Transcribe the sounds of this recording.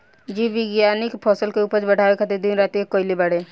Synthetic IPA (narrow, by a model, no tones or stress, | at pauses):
d͡ʒiːʋɪɡjaːnɪkpʰɔːsəlkeuːpəɾt͡ʃbəʈaːʋekʰət̪ed̪inɾaːt̪iekoːɪlebəɽeː